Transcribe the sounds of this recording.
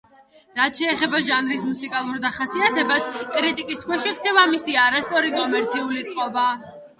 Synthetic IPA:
ɾat̪ʰʃɛːχɛbaʒanɾismusikʼalˠuɾd̪aχasiat̪ʰɛbaskʼɾit̪ʼikʼiskʰwɛʃɛɡɾt̪sʰɛvamisiaɾast̪sʼɔɾikʼɔmɛɾt̪sʰiulit̪sʼqʼɔba

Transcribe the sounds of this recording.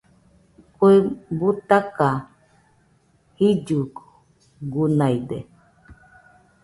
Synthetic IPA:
kwebut̪aka | hid͡ʒu | ɡunajde

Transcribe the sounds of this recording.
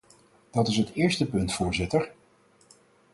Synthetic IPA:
d̥ɑtɪs̬ɦətɪːɹstəpɵntfʊːɹzɪtəɹ

